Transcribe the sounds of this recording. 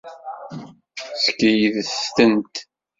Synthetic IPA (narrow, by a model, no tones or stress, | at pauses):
səkːəjiðsst̪ənt̪